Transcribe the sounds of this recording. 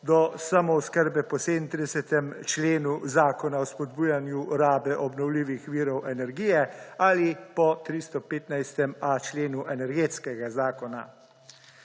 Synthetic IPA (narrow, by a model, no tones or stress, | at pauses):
d̪ɔsamɔwskəɾbɛpɔseːd̪nt̪ɾid̪ɛsɛt̪ɛmt͡ʃleːnuzaːkɔnaɔspɔd̪buːjanjuɾaːbɛʔɔbnɔwliːʋixʋiːɾɔwʔɛnɛɾɡiːjɛalipɔt̪ɾist̪ɔpeːt̪najst̪ɛmat͡ʃleːnuʔɛnɛɾɡeːt̪skɛɡazaːkɔna̰